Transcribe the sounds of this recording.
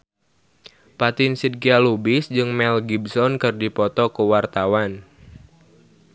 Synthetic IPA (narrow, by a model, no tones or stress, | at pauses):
pat̪ɪnsid̚kialubisd͡ʒɨŋmɛlɡibsɔnkɨrdipɔt̪ɔkəwart̪awan